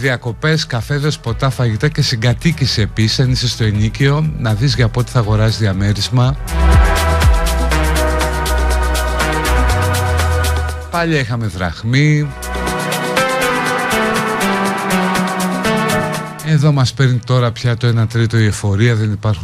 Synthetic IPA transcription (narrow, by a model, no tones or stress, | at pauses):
ðiɐko̞pe̞skɐfe̞ðespo̞t̪ɐfɐʝit̪ɐce̞siŋɡɐt̪iciseːpisisɐnisist̪oenicio̞nɐðizʝɐpot̪i̥θɐɣo̞ɾɐsizðiɐme̞ɾizmɐ | pɐʎiɐixɐme̞ðɾɐ̰ɣmi | e̞ðo̞mɐspe̞ɾnit̪o̞ɾɐpçɐt̪oenɐt̪ɾit̪o̞iofo̞ɾiɐðe̞nipɐɾxu